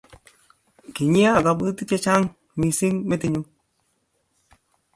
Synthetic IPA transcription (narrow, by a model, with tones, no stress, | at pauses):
ki˨ɲi˦a˦˨ka˨˧bɨ˦ti˦t͡ʃe˦t͡ʃa˦ŋ | mi˨si˦ŋme˦ti˦ɲu˦m